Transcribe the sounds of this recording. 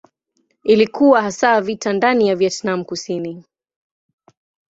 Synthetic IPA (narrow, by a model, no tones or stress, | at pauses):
ilikuwahasaːvitandanijavjɛtnamukusini